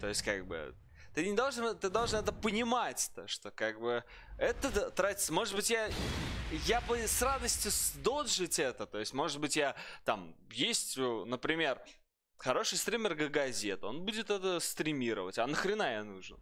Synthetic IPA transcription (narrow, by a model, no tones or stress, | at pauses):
t̪o̞ɪsʲtʲkaɡ̚bɨ̰ | t̪ɨnʲɪd̪olˠʐɨnt̪ɨd̪olˠʐɨnɛt̪əpənʲɪmatʲt̪əʂt̪o̞kaɡ̚bɨ | ɛt̪əət̪ɾatʲɪ̥səmo̞ʐɨd̪̚bɨtʲja | japəsrad̪əsʲtʲjʊsd̪olˠʐɨtʲɛt̪ət̪o̞jɪsʲtʲmo̞ʐɨd̪̚bɨtʲjat̪amjesʲtʲʊnəpɾʲɪmʲe̞r | xɐɾo̞ʂɨjst̪ɾʲimʲɪrɡəɡɐzʲet̪o̞nbudʲɪt̪ɛt̪əst̪ɾʲɪmʲiɾəvətʲɐnəxɾʲɪnajanuʐn